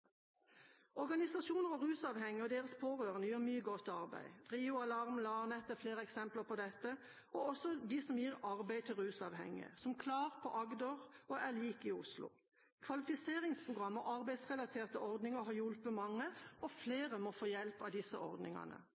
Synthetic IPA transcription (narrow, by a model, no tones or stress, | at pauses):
ɔɾɡɑnɪsɑʃuːnəʁɔʁʉːsɑːʋhɛŋəɔd̪eːʁəspʰoːʁøːʁənəjøːʁmyːəɡɔt̪ːɑʁbæ̰ɪʁiːʊɑlɑʁmlɑnɛt̪ːəfleːʁəɛksɛmpləʁpʰɔd̪ɛt̪ːə | ɔɔsɔd̪isɔmjiːʁɑʁbæɪt̪ʰɪlɾʉːsɑʋhɛ̰ŋɪ̰ə̰sɔmkʰlɑːʁ̚pʰɔʔɑɡd̪əʁɔæliːkɪʊslʊ̰ | kʰʋɑlɪfɪseːʁɪŋspʰʁʊɡʁɑmːɔʔɑʁbæɪsʁɛlɑt̪ʰeːʁt̪əɔʁd̪nɪŋəɦɑjʊlpəmɑŋːəɔfleːʁəmɔfoːjɛlpɑʋd̪ɪsːə̰ʔɔ̰ʁd̪nɪ̰ŋɑ̰nə̰